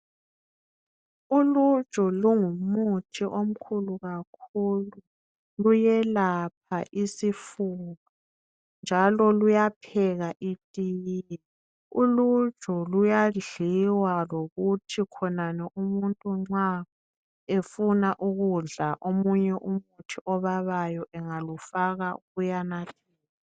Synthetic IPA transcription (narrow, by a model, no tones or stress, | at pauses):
ulu̥ʒ̥ʼʱɔluŋumutʰiʔom̩kʰuluɣak̚ʰulu | lujɛlap̚ʰaʔisifuβɔ | nd͡ʒʱalɔlujapʰɛɣaʔitʼijjɛɛ | ulu̥ʒʱɔlujaɮiwaloɣutʰikʰɔnanɛʔumuntʼuŋ͡ǀa | efunaʔuɣuɮaʔomuɲɛʔumutʰiʔɔβaβajɔʔɛŋalufaɣaɣujanatʰɛiːla